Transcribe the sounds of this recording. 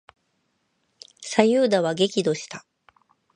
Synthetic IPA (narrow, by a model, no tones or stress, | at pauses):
sajɯːd̪aβaɡe̞kʲid̪o̞ɕi̥t̪a